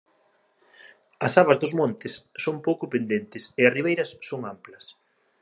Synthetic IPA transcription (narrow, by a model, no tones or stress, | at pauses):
ɐsaβɐzðʊzmõnt̪ɪsːompowkʊpend̪ent̪ɪsɪɐsriβejɾɐsːoŋamplɐs